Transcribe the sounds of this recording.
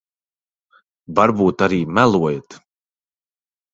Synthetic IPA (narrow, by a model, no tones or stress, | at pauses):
vaɾbuːt̪aɾiːmælˠuɔjt̪